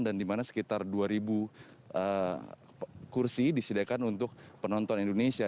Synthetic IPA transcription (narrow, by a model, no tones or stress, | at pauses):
ndandimanasə̥kit̪arduaɾibuʔə | kursidisidakanunt̪ʊk̚pənɔnt̪ɔnindonesia